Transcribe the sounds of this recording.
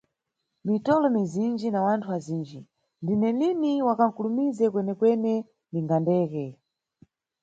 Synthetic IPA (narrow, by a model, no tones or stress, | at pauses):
mitɔlɔmizind͡ʒinawantʰuwaziːnd͡ʒi | ndinɛliniwakaŋ̩kulumizɛkwɛnɛkwɛnɛ | niŋɡandɛːkɛ